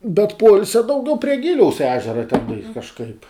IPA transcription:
bʲɛt ˈpoːɪlʲsʲɛ dɐʊˈɡʲɛʊ pʲrʲiɛ ˈɡʲɪlʲɛʊs ˈæːʒʲɛrɐ tʲɛn kɐʃˈkɐɪp

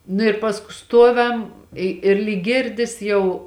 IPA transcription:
nʊ ɪ ˈpɑːskʊ ˈstuɔʋʲɛm ˈɪ ɪr lʲiːk ˈɡʲɪrʲdʲɪs jɛʊ

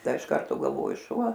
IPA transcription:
ˈdɐ ɪʃ ˈkɐrtoː ɡɐlˠˈʋoːjʊ ˈʃuɔ

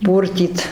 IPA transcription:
ˈpuːrʲtʲiːt

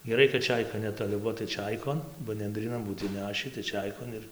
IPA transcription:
ɡʲɛˈrɐɪ kɐt ˈt͡ʃʲɛɪkɐ nʲɛtoːˈlʲɪ ˈbuɔ tɐɪ ˈt͡ʃʲɛɪkoːn bɐ nʲɛnʲdʲrʲiːˈnɐn ˈbuːt ɪnʲˈnʲæːʃʲiː tɐɪ ˈt͡ʃʲɛɪkoːn ɪr

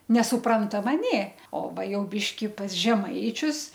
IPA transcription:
nʲɛsʊˈprɐntɐmɐ ˈnʲeː oː ˈʋɐ ˈjɛʊ ˈbʲɪʃʲkʲɪ pɐs ˈʒʲæːmɐɪt͡ʃʲʊs

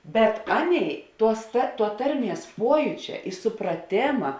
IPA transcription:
bʲɛt ˈɑːˌnʲeːɪ ˈtuɔs tɐ tuɔ ˈtɐrʲˌmʲiɛs ˈpuɔjuːt͡ʃʲɛ ɪ sʊprɐˈtʲeːmɐ

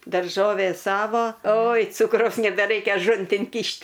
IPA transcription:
dɐrˈʒoːʋʲeː ˈsɑːʋoː oːj ˈt͡sʊkrɐʊs nʲɛbʲɛˈrɐɪkʲɛ ɐˈʒʊnʲtʲɪn ˈkʲiːʃʲtʲ

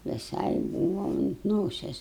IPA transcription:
ʋʲɪˈsɐɪ ˈbuːʋɐ ʊnt ˈnoːsʲɛs

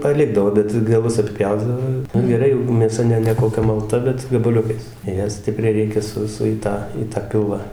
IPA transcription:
pɐˈlʲɪɡdɐʋoː ˈbʲɛt ɡɐˈlˠʊs ɐtʲˈpʲjɛʊdɐʋoː ˈnʊ ɡʲɛˈrɐɪ jɛʊ mʲeːˈsɐ nʲɛ nʲɛ koːˈkʲɛ mɐlˠˈtɐ bʲɛt ɡɐbɐˈlʲʊkɐɪs ˈjæː ˈsʲtʲɪpʲrʲɛɪ ˈrʲɛɪkʲɛ ˈsʊ sʊ iː ˈtɑː iː tɐ ˈpʲɪlˠʋɑː

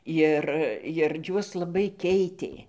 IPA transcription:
ˈjɪr jɪr ˈjuɔs lˠɐˈbɐɪ ˈkʲɛɪtʲeː

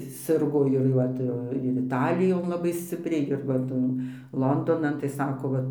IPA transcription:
ˈsʲɪrɡoː ɪr jɛʊ ˈʋɐ tɐɪ ˈʋɐ ɪr ɪˈtɑːlʲɪjoːn lˠɐˈbɐɪ ˈsʲt͡sʲɪpʲrʲɛɪ ɪr ʋɐ ˈtɐn ˈlˠoːndoːnɐn tɐɪ ˈsɑːkoː ˈʋɐ

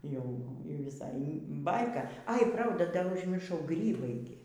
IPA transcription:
ˈjɛʊ ˈjɛʊ ʋʲɪˈsɐɪ ˈbɐɪkɐ ɐɪ ˈprɐʊdɐ dɐr ʊʒʲmʲɪrˈʃɐʊ ˈɡrʲiːbɐɪ ɡʲɪ

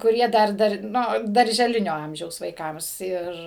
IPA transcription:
kʊˈrʲiɛ ˈdɐr ˈdɐr ˈnʊ dɐrʲʒʲɛˈlʲɪnʲoː ˈɐmʲʒʲɛʊs ʋɐɪˈkɐms ˈɪr

